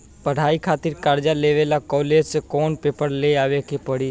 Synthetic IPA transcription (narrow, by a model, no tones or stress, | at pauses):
pəɽ̤aːikʰaːt̪ɪɾkaːɾd͡ʒaleʋelakɔːled͡ʒsekɔːnpeːpəɾleaːʋekepəɽiː